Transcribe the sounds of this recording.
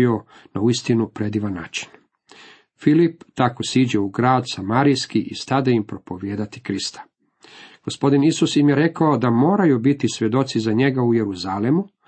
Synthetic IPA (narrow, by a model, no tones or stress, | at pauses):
io̞ | nauist̪inupɾe̞d̪iʋanːaːt͡ʃi̥n | filipt̪akosiːd͡ʑeuɡɾaːd̪samaːɾijskiʔist̪ad̪eimpɾo̞po̞ʋje̞ːd̪at̪i̥kɾist̪ʰḁ | ɡ̥ospo̞d̪inisusjimjeɾe̞kaod̪amo̞ːɾajubit̪isʋʲe̞d̪o̞t̪sizaɲe̞ɡauje̞ɾuzalemu